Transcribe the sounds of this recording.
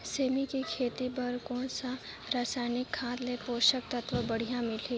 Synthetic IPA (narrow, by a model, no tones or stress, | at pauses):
seːmikikʰeːt̪ipɐɾkɔːnsa | ɾaːsaːɪnɪkʰːãːt̪lepoːʃək̚t̪ɐt̪ʰʋəbɐɽ̤ijãmɪli